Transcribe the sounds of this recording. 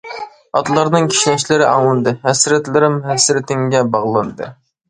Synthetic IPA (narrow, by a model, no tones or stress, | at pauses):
ɑt̪ʰlˠɑɾnɨŋkʲʰi̥ʃlɛʃlɪɾɪʔɑwɨnd̪ɨɦɛsɾɛt̪lɪɾɪmɦɛsɾɪt̪ʰɪŋɡʲɛbɑʁlˠɑnd̪ɨ̰